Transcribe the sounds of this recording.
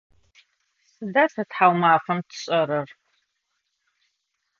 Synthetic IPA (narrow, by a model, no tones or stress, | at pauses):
sɨdaːsɐtħawmaːfɐmtʰɨ̥ɕʼɐɾɐr